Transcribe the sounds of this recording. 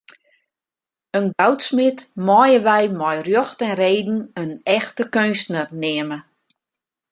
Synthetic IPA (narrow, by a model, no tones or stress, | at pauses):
ənɡawtsmɪtmɔjəʋɛjmɔjrjoxtɛnreːdn̩ənɛxtəkønstnərnɪəmə